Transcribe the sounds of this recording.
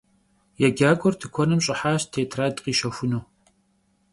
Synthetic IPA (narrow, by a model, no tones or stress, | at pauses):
jɛɡaːɡʷʼɔrtʰɨkʷʰɔnɨmɕʼɪħaːɕtʰeːtʰraːdqiːʃɐxʷʊnuː